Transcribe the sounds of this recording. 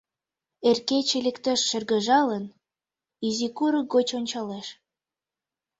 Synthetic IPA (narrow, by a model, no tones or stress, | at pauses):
erket͡ɕelʲekt̪əʃːerɣə̆ʒɑlən | izikuɾəɡot͡ɕonʲt͡ɕɑleʃ